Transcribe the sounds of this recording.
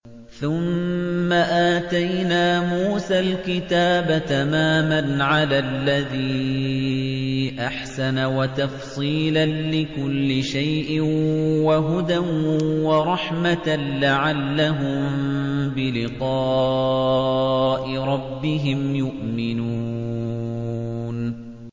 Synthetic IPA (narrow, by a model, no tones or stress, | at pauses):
θʊmːaʔaːt̪ajnaːmuːsalkɪt̪aːbat̪amaːmanʕalalːaðiː | ʔaħsanawat̪ɑfsˤiːlanlɪkʊlːɪʃajʔɪnwaɦʊd̪anwɑɾˤɑħmat̪alaʕalːaɦʊmbɪlɪqɑː | ʔɪɾˤɑbːɪɦɪmjʊʔmɪnuː | n